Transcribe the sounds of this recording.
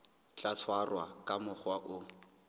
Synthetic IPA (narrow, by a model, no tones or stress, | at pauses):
t͡ɬat͡sʰwarwakʼamʊχwaʔʊ